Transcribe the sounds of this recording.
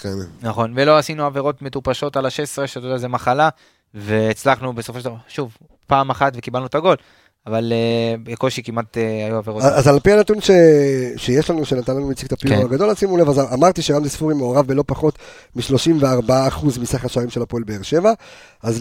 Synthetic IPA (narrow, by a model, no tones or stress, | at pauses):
kennaχo̞nve̞lo̞asinuave̞ʁo̞tme̞t̪upaʃo̞talaʃesʁeʃatod̪azemaχala | ve̞ːt͡slaχnube̞so̞foʃedaʃuv | paːmaχatve̞kibalnut̪aɡo̞l | avaleeko̞ʃikimat̪eajuaveʁoazalpianat̪unʃe̞ʃejeʃlanuʃenat̪anlanumit͡sikt̪apikaɡad̪o̞lasimulevazamaʁt̪iʃeʁamzisfuʁimeoʁavːelo̞paχo̞t̪ | miʃlo̞ʃimveaʁbaaːχuzmisaχeaʃaʁimʃe̞lapoelbe̞ːʁʃe̞va | az